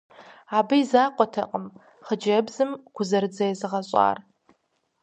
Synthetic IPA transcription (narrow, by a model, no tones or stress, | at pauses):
aːbɨjizaːqʷʼɔtʰɐ̰qʼəm | χəd͡ʒɐbzɨmɡ̥ʷʰʊzɐɾɨd͡zɐjɛzɨʁɐɕʼɑ̰ːr